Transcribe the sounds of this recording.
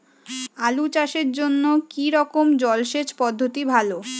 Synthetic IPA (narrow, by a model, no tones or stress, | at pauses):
alut͡ɕaʃeɾd͡ʑonːokiɾɔkomd͡ʑɔlʃet͡ɕpɔd̪ʱːot̪ibʱalo